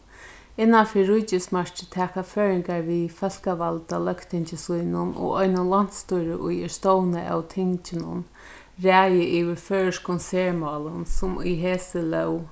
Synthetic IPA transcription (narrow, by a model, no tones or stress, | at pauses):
ɪnːafɪːɹʊt͡ɕɪsmaɹt͡ʃɪt̪ʰɛːkaføːɹɪŋkaɹʋifɛl̥kaʋalt̪alœkt̪ʰɪɲt͡ʃɪsujnʊnɔ̰ʔɔjnʊnlan̥t̪st̪ujɾəʔʊjɪst̪ɔwnəʔa̰wt̪ʰɪɲt͡ʃɪnʊ̰n | ɹæːjəʔiːʋɪføːɹskʰɔnsɛːɹmɑːlənsʊmʊ̰jɦeːsəlœw